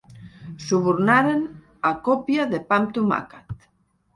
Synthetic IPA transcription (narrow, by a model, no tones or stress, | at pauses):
suβuɾnaɾen | akopjaðepamt̪uma̰kat̪